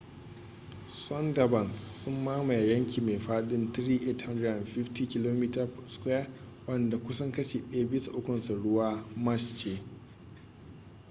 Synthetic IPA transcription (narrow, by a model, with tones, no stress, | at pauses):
swɔ˦nda˨bɐ˨nsːʊ˦mːaː˦ma˨ja˨jɐ˦ŋkʲiː˨me˨ɸaː˦ɗɪ˦nt̪ɾiː˦ʔe˦tha˦nda˨nɸɪ˦ftiː˦kʲɪ˦loː˦miː˦ta˦˨skʷja˦ | wɐ˦nda˨kʷʊ˦sɐ˦ŋkɐ˦ʃeː˨ɗɛ˦ja˦bɪ˦su˨ʔʊ˦kʷʊ˨nsa˨ɽʊ˦waː˦mɐ˦ʃt͡ʃeː˦